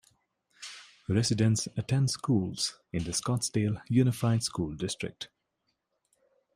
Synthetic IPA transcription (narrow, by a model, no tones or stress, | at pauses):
ɾɛsɪdə̃nsətʰɛ̃ndskuːlz̥ɪ̃nd̪əskɔtsdeljunɪfaɪdskuːldɪstɹɪ̰k̚t